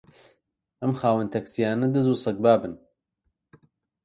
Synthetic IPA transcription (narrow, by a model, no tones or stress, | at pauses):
ʔɐmxaːwənt̪ʰɐksijaːnɨd̪ɨzusˤɐk̚baːbɨn